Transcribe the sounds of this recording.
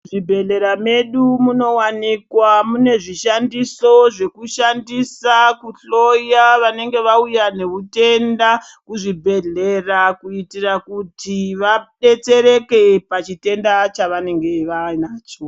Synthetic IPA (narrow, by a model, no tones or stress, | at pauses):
ʐibʱe̞ɮe̞ɾame̞ɗumuno̞wanikwamune̞ʐiʃandiso̞ʐe̞kuʃandisakuɬo̞jaʋane̞ŋɡe̞ʋaujane̞ute̞nda | kuʐibʱe̞ɮerakuitirakutiʋaɗe̞t͡se̞ɾe̞ke̞pat͡ʃite̞ndat͡ʃaʋane̞ŋɡe̞ʋanaːt͡ʃo